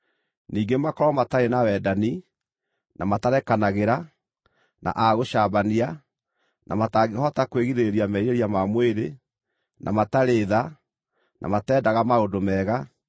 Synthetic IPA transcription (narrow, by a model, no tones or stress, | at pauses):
niːɡemakɔɾɔmataɾenawɛdani | namataɾɛkanaɣeɾa | na̰ʔaɣoʃabania | na̰mataɡehɔtakweɣiðeeɾiamɛiɾeɾiamamweɾe | nʔa̰mataɾeːða | nʔa̰matɛːdaɣamaodomɛɣa